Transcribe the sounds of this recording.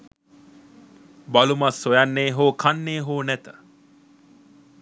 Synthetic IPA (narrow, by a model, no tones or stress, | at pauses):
balumasːojanːeːɦoːkʰanːeːɦoːnɛt̪ə̥